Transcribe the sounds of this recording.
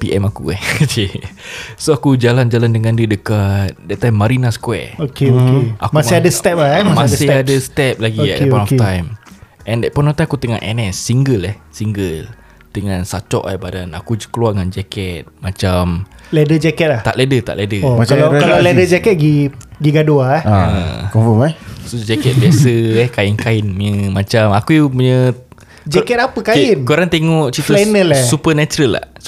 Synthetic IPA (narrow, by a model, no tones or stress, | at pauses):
piʔɛmakṵɛhd͡ʒe | soakud͡ʒaland͡ʒalandəŋandiədəkat̪̚dɛʔ̚t̪ajmːaɾinasə̥kwɛ̰okeoeʔakmamsɪadəst̪ɛp̚amãssɪadəst̪ɛp̚laɡiɛʔɛpɔnɔft̪ajm | ʔɛ̃ndɛt̚pɔnɔft̪ajmakut̪əŋa̰ʔɛ̰nɛsːiŋɡəlɛhsiŋɡəl | t̪əŋansat͡ʃɔ̰ʔa̰badana̰kud͡ʒəkəluaəŋand͡ʒakɛt̪̚mat͡ʃamlɛdəd͡ʒɛkɛt̪̚laht̪a̰ʔledət̪a̰ʔledəoaalakalalɛdəd͡ʒɛkɛt̪̚ɡiɡiɡaduaaəkɔfɔmasod͡ʒɛkɛt̪̚biasəɛhkajinkaɪnmuɲəmat͡ʃamakujupuɲə | d͡ʒɛkɛt̪apəkaɪnkoɾaŋt̪eŋɔʔt͡ʃit̪lnəlɛsupənat͡ʃɾəlːa̰h